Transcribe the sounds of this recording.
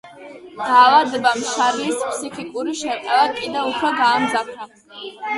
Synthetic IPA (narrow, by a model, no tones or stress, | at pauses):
d̪̥aːlad̪ɛbamʃaɾlispʰsikʰʼikʼuɾiʃɛqʼɛlakʼid̪ɛupʰɾɔɡaːmzapʰɾa